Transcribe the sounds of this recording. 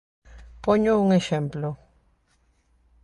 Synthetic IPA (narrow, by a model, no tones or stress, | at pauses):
poɲouŋexẽmplo